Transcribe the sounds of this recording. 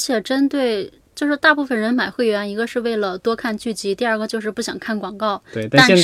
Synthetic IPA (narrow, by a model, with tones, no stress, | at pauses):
t͡ɕʰjɛ˨˩ʈ͡ʂə˥nt̪we˥˩ɪ | t͡ɕjo˥˧ʂɻ̩˥˧t̪a˥˧pu˥˩fə˨˩nɻə˧˥nma˨˩ɪxwe˥˩ɪɥɛ˧˥ni˧˥ɡə˧ʂɻ̩˥˧we˥˩ɪlə˩t̪wɔ˥kʰa˥˧nt͡ɕy˥˩t͡ɕi˧˥t̪i˥˧ɐ˞˥˩ɡə˩t͡ɕjo˥˧ʊʂ̬ɻ̩˧pu˥˩ɕjɑ˨˩ŋkʰa˥˩nkwɑ˨˩ŋkɑ˥˩ʊe˥ɪt̪a˥ɛ˥˧